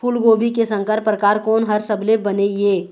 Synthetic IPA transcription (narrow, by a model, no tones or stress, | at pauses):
pʰulɡoːbʱikesə̃ŋkəɾpɾəkaːɾkɔːnɦɐɾsəblebənejeː